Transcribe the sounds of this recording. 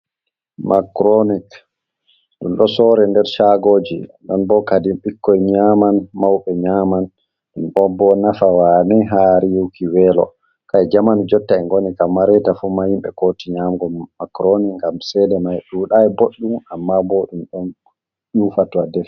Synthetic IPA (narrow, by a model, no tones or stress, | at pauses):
makɾonik | ɗṵmɗɔsɔɾɛndɛɾʃaɡoːd͡ʒḭɗɔnbɔkadimɓikːɔjɲamanmawɓɛɲaman | ɗumɗɔbɔnafawanɛɦaɾijukʰiwɛlɔ̰ | kaɛd͡ʒamand͡ʒɔtːaɛŋɡonikamːaɾɛtafumahimɓɛ̰kotiɲamɡɔːakɾonikŋɡamsɛdɛmajɗuːɗajɛboɗːumamːabɔɗumɗɔn | jufatadɛf